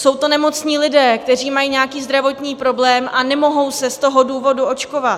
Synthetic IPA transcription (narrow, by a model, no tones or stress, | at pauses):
so̞wt̪o̞nɛmo̞t͡sɲiːlɪdɛːkt̪ɛriːmajiːɲeakiːzd̪ɾavo̞t̪ɲiːpɾo̞blɛːmʔanɛmo̞ɦo̞wsɛst̪o̞ɦo̞duːvo̞duʔo̞t͡ʃko̞vat̪